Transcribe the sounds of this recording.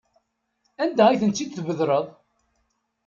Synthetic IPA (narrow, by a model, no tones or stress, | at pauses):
ænd̪æʁæjθənt͡s̪ːid̪θvəðɾˤəðˤ